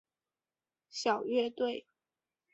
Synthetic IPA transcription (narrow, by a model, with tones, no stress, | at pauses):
ɕjɑ˨˩ʊɥɛ˥˧t̪we˥˩ɪ